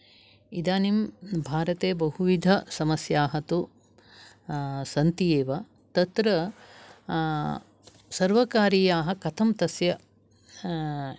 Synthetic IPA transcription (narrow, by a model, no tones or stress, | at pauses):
id̪aːnimbʱaːɾɐt̪eːbɐɦuʋid̪ʱɐsɐmɐsjaːɦɐt̪u | sɐnt̪ijeːʋɐ | t̪ɐt̪ɾɐ | sɐɾʋɐkaːɾiːjaːɦɐkɐt̪ʰɐmt̪ɐsjɐ